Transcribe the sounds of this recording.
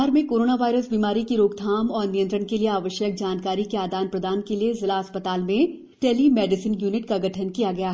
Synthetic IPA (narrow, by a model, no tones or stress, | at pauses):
ɾmẽkoːɾoːnaʋaːɪɾəsbiːmaːɾikiɾoːɡd̪ʱaːmɔːɾnijənt̪ɾənkelieaːʋəʃjək̚d͡ʒaːnkaːɾikeaːd̪aːnpɾɐd̪aːnkeliezɪlaɦɐspət̪aːlmẽ | ʈɛːlimɛːɖɪsinjuːnɪʈkaɡɐʈʰənkijaɡɐjaː